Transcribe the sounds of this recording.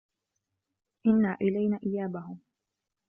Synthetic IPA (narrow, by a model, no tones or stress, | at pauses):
ʔɪnːaːʔɪlajnaːʔɪjaːbahʊ